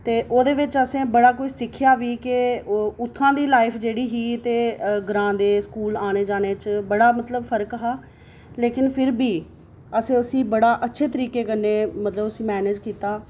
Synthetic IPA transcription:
t̪eːʔoːd̪eːʋɪt͡ʃəsẽːbəɽaːkoiːsɪkʰːjaːʋiːkɪʊt̪ʰːãːd̪iːlaːɪpʰd͡ʒeːɽiːɦiːt̪eːɡɾãːd̪eːskuːlaːñeːd͡ʒaːneːt͡ʃbəɽaːmət̪ləbpʰəɾəkɦaː | leːkɪnpʰɪɾbiː | əsẽːəsĩːbəɽaːʔətːʃʰeːt̪əɾiːkeːkəneːmət̪ləbəsĩːmɛːneːd͡ʒkiːt̪aː

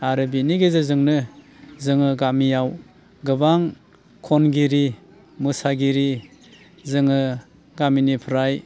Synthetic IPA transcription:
aɾɯbiniɡezazɯŋnɯ | zɯŋɯɡamijaw | ɡɯbaŋ | kʰɔnɡiɾi | mɯsaɡiɾi | zɯŋɯ | ɡaminipʰɯɾaj

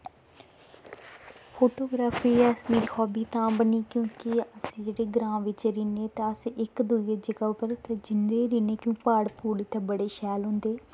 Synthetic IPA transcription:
pʰoːʈoːɡɾaːfiːəsmiːɾxɔːbiːt̪ãːbəniːkjõːkɪəsĩːd͡ʒeɽeːɡɾãːʋɪt͡ʃɾiːneːt̪ãəsɪkd̪uied͡ʒəɡaːʊpəɾt̪aːd͡ʒɪnd̪eːɾiːneːkũːpaːɽpuːlɪt̪ʰːeːbəɽeːʃɛːlɦʊ̃nd̪eː

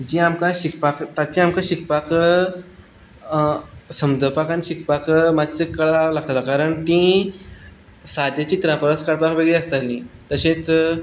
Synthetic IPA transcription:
d͡ʑiːamkãɕikpakt̪at͡ɕiamkãɕik̚pak | səmd͡zəpakaniɕikpakmat͡ɕəkəɭalaɡt̪alakaɾəɳt̪ĩ | sad̪jat͡ɕiːt̪ɾãpəɾəskaɽpakʋeɡɭeəst̪alĩt̪əɕẽt͡s

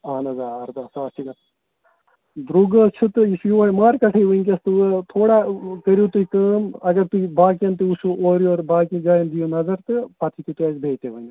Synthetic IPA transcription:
aːnɐzaːɐɾd̪aːsaːsʰiɡɐ | d̪ɾuɡɐt͡ʃʰɨt̪ɨisiʋɐːjmaːɾkɐʈʰɐjʋɐŋkʲɐst̪ɨʋɐt̪ʰoːɽaːkɐɾjut̪uikɐːmɐɡɐɾt̪uibaːk̬iɐnt̪ɨusuoːɾjoːɾbaːkid͡ʒaːjɐnd̪ijunɐzɐɾt̪ɨpɐt̪ʰit̪it̪ujɐzbʱeːjt̪eʋɐŋɡi

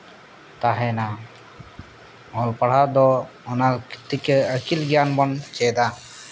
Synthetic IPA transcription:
t̪aɦɛna | ɔlpaɽ̤ad̪ɔ | ɔnalki̥t̪ːikeəkilɡɛjanbɔnt͡ʃɛd̪a

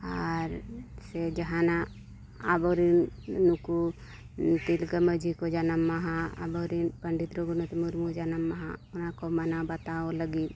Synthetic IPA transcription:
aɾsɛd͡ʒəɦãna | abɔɾinːuku | t̪ilɡəməd͡ʒikɔd͡ʒanamːaɦãa̰bɔɾinpəɳɖit̪ɾɔɡunɔt̪muɾmud͡ʒanamːaɦã̰ɔnakɔmanabat̪aɔləɡit̪̚

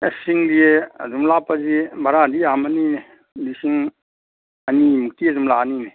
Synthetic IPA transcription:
esiŋlieɐ̰zumlapazibaɾadiamanine | lisiŋ | ɐnimuk̚tiazumlanine

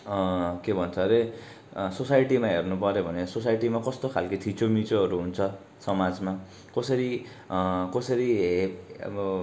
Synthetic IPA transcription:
kebʱʌnt͡sʰʌɾe | sosajʈimaɦernupʌɾjobʱʌnesos̬ajʈimakʌst̪okʰalkʌt̪ʰit͡sʰomit͡soʌɾuɦunt͡sʰʌ | sʌmad͡zma | kʌsʌɾi | kʌsʌɾi | ʌ̰bʌ

